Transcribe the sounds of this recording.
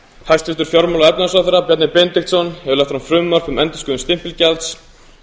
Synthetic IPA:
hajst̪ɪt̪ʏɾ̥fjɔɾmawlaɛp̚nɪðas̬aθɛɾapjɛt̪nɪpɛnt̪ɪkt̪sɔnhɛvɪlɛjht̪fɾamfɾʏːmːar̥fʏmɛnt̪ʏskʏːðʏnst̪ɪm̥pɪlcɛlt̪s

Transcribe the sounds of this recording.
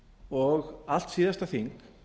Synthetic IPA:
ɔɣal̥t̪siːðast̪aθiŋk

